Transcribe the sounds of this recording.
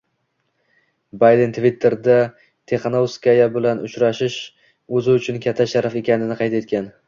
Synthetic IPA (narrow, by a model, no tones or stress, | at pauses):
bajd̪ent̪ʰvit̪ʰːe̞ɾd̪a | t̪ʰe̞χɑnowskʲajabɪlanʊt͡ʃɾaʃɪʃ | ɵzɪʊt͡ʃʰʊnkʲʰat̪ʰːaʃaɾafe̞kʲanɪnɪqʰɑjt̪e̞t̪̚kʲan